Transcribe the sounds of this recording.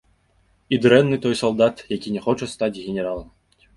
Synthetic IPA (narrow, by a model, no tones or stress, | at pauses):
id̪ɾɛnːɨt̪ɔjsɐlˠd̪at̪jakʲinʲɛxɔt͡ʂɛst̪at͡sʲɣʲenʲɛɾalˠɐm